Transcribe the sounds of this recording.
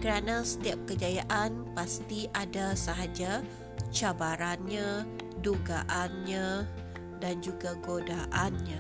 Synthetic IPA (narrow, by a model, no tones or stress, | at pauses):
kəɾanasə̥t̪iap̚kəd͡ʒajaʔanpast̪iʔadasəɦad͡ʒa | t͡ʃabaɾanɲa | duɡaʔanɲã | dand͡ʒuɡaɡodaʔanɲã